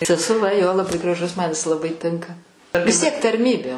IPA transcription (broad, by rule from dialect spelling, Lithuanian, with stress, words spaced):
sʲɛsʊˈʋɐ ˈjoː lˠɐˈbɐɪ ɡrɐˈʒʊs mɐn jɪs lˠɐˈbɐɪ ˈtʲɪŋkɐ ʋʲɪs ˈtʲiɛk tɐrʲˈmʲiːbʲeː